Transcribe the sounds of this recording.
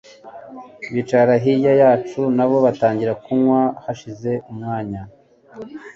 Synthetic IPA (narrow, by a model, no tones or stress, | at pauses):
βit͡ʃaɾaɦijajaːt͡ʃunaβo̞βataːɲɟiɾakumwahaʃize̞ʔumŋaːɲa